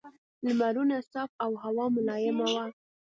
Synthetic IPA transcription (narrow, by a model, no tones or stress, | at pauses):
lmaɾunasɑfawɦawɑmʊlɑjɪmawa